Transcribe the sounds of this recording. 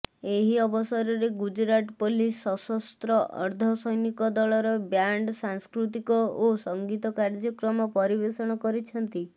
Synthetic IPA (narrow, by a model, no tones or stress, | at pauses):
eɦiɔbɔsɔɾɔɾeɡud͡ʒɾaʈɔpolisɔsɔst̪ɾɔʔɔ̰ɾd̪ʱɔsɔjnikɔd̪ɔɭɔɾɔbjaɳɖsaŋskɾut̪̬ikɔosɔŋɡit̪ɔkaɾd͡ʒɔkɾɔmɔpɔɾibeɾsɔɽ̃ɔkɔɾit͡ʃʰɔnt̪i